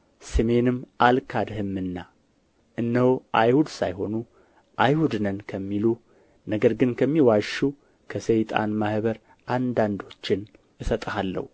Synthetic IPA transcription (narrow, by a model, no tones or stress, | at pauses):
sɨme̞nɨmʔalkʰad̪hɨmːɨnːa | ʔɨnːəhoʔajhud̪sa̰jho̞nu | ʔajhud̪nənkʰəmːilu | nəɡəɾɡɨnkʰəmːiwaʃu | kʰəsejt̪ʼa̰nmahβəɾ | ʔand̪and̪o̞t͡ʃːɪn | ɨsət̪ʼəhalːə̰hu